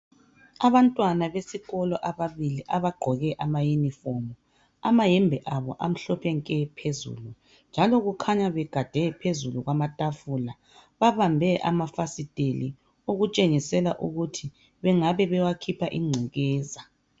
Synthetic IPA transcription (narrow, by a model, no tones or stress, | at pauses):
aβantʼwanaβesiɣɔlɔʔaβaβiliʔaβaɡ͡ǃʱɔɣɛʔamajunifɔmɔ | amajɛmbʱɛʔaβɔʔam̩ɬɔpʰɛŋkʼɛpʰezṵlu | nd͡ʒʱalɔɣukʰaɲaβɛɡ̥ʱad̥ʱɛpʰezuluɣwamatʼafula | βaβambʱɛʔa̰mafasid̥ʱeli | uɣut͡ʃʼeŋisɛlaʔṵɣutʰi | βɛŋaβɛβɛwakʰipʰaʔiŋ͡ǀʱiɣɛːza